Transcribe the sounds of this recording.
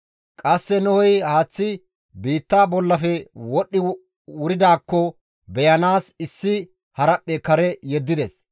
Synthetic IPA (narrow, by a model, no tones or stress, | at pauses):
kʼɐsːɛnʊhɔjhaːt͡sːɪ | biːt̪ːaːbɔlːɐfɛwɔɗːɪ | wʊɾɪd̪aːkːɔ | bɛjɐnaːsɪsːɪ | hɐɾɐpːɛkɐɾɛjɛd̪ːɪd̪ɛs